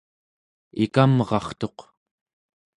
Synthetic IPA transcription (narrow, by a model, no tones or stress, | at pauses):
ikamʁɑ̰χt̪o̞q